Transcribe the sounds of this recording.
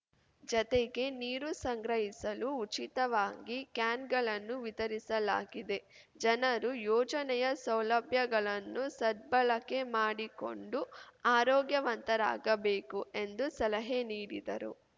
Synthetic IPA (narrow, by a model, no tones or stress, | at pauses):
d͡ʒɔt̪eɡe̞niːɾusɐŋɡɾɐɦisɐluːt͡ʃit̪ɐʋaːɡikjaːnɡɐɭɐnːuʋit̪ɐɾisɐlaːɡid̪e̞ | d͡ʒɐnɐɾujɔːd͡ʒɐnɛjɐsɐwlɐbʱjɐɡɐɭɐnːusɐd̪̚bɐɭɐkːe̞maːɽiko̞̰ɳɖuaːɾɔːɡjɐʋɐnt̪ɐɾa̰ːɡɐbeːkue̞nd̪usɐlɐɦeniːɾid̪ɐɾṵ